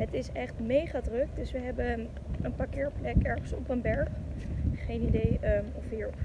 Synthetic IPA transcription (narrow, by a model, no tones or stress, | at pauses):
ɦətɪsɛχtmejχaːdrɵk̚dɵsʋəɦɛbə | ənpaːɹkɪːɹplɛkɛɹχənsɔ̰pənbɛɹχχejnidejɔfiːɹ